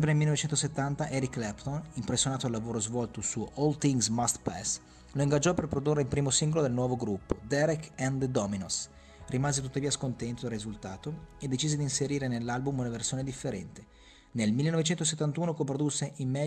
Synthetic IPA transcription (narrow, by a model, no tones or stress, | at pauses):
mpɾenelmilːenovet͡ʃɛnt̪oset̪ːant̪aʔɛɾikːlɛpt̪onimpɾesːjonaːt̪oalːavoːɾozvɔlt̪osuɔlt̪iŋɡsmast̪pɛ̰s | loiŋɡad͡ʒɔperpɾod̪urːeilpɾiːmosiŋɡolod̪elnwɔːvoɡɾupːod̪ɛɾɛkɛnd̪d̪ɔminos | rimaːzet̪ut̪ːaviːaskont̪ɛnt̪od̪alrːizult̪aːt̪oed̪ːet͡ʃiːzed̪inseɾiːɾenelːalbumunaversjoːned̪ifːeɾɛnt̪e̥ | nelmilːenɔvet͡ʃɛnt̪os̬et̪ːant̪uːnokompɾod̪usːeʔimːɛ